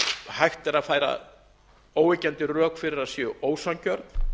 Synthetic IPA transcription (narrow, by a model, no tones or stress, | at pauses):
hajxt̪ɛɾaðfaːjɾa̰ | oːwɪcɛnt̪ɪrœːkfɪɾɪɾaðsjœoːwsaŋcœɾt̪n̥